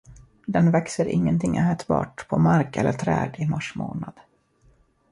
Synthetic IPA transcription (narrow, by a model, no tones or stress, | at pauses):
d̪ɛnvɛksəɾʔɪŋːənt̪ʰɪŋːʔɛːt̪bɑ̰ːʈpʰɔmaɾkɛlːəʈʰɾɛːd̪əmaʂmoːnad̪̥